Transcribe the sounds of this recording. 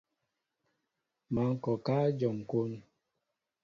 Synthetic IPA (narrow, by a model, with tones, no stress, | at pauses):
ma˨˦ŋ̩˦kɔ˨ka˦d͡ʒɔ˨ŋ˨ko˦n